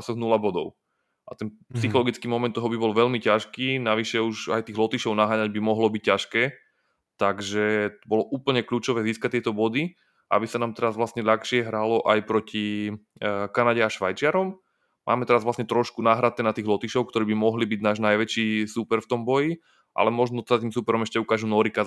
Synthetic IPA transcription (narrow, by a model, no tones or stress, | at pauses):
sɔɣnulabɔd̪ɔ̰ʊ | ʔat̪ɛnpsixɔlɔɡit͡skiːmɔmɛnt̪ɔɦɔbibɔlʋɛʎmicaʃkiːnaʋiʃɛuʒa̰jt̪iːɣlɔt̪iʃɔʊnaɦaːɲaɟbimɔɦlɔbic̚cːaʃkɛː | t̪aɡʒɛbɔlɔʔuːpl̩ɲɛkʎuːt͡ʃɔʋɛːziːskac̚t̪ɪɛt̪ɔbɔd̪i | ʔa̰bisanaːmt̪ɛɾazʋlasɲɛʎaxʃɪɛɦɾalɔʔajpɾɔci | kanaɟɛaʃʋajt͡ʃɪaɾɔm | mʔa̰ːmɛt̪ɛɾazʋlasɲɛt̪ɾɔʃkunaːɦɾat̪ɛːnat̪iːɣlɔt̪iʃɔʊkt̪ɔɾiːbimɔɦlibiɟnaːʒnajʋɛt͡ʃiːsupɛɾft̪ɔmbɔji | ʔa̰lɛmɔʒnɔt̪ɛat̪iːmsupɛɾɔmɛʃcɛukaːʒunɔːɾika